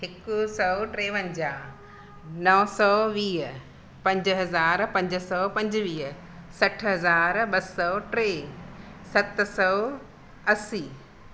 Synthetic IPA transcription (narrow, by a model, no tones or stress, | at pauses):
ɦɪkʊsɔʈɾeːʋə̃ɲd͡ʑaː | nɐsɔʋiːɦ | pɐ̃ɲd͡ʑɦɐzaːɾpɐ̃ɲd͡ʑsɔpɐ̃ɲd͡ʑʋiːɦ | sɐʈʰɦɐzaːɾɓɐsɔʈɾeː | sɐt̪sɔː | ɐsiː